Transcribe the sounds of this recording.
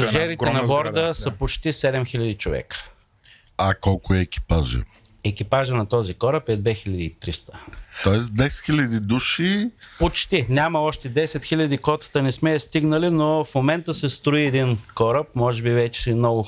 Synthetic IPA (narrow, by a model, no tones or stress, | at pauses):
sɐʒɛɾitɛnɐbɔɾd̪əsɐpot͡ʃt̪isɛd̪ɛmxilʲɐd̪it͡ʃovɛ̰kə̥ | akɔlˠkʊɛːkʲi̥paʒə̰ | ɛkipaʒənɐt̪ɔzikɔɾəpɛd̪vɛxilʲɐd̪iːt̪ɾist̪ə̥t̪ɔɛs̬d̪ɛsɛt̪xilʲɐd̪id̪uʃipot͡ʃt̪inʲamɐɔʃt̪ɛd̪ɛsɛt̪xilʲɐd̪ikɔt̪ə̥t̪ənɛsmɛst̪iɡnəlinofmomɛnt̪əsɛst̪ɾoiɛd̪inkɔɾəp̚mɔʒɛbivɛt͡ʃɛ̥ɛmnɔɡʊ